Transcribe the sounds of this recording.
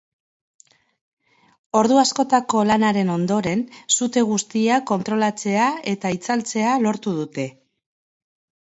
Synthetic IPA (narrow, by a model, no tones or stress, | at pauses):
o̞ɾðuasko̞t̪ako̞lanaɾe̞no̞nd̪o̞ɾe̞nsut̪e̞ɣ̞ust̪iako̞nt̪ɾo̞lat͡se̞ae̞t̪ait͡salt͡se̞alo̞ɾt̪uð̞ut̪e̞